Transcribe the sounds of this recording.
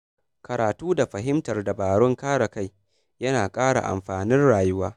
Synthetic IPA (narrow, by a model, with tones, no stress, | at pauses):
kɐ˨ɾaː˨tuː˦da˨ɸɐ˨ɦɪ˦mtɐ˨rda˨baː˨ɽɔ˦ŋkaː˦ɽa˨ka˦˨j | jɐ˦naː˨kʼaː˦ɽa̰˨ʔa̰˨mɸaː˨nɪ˦nɽaː˨jʊ˦waː˦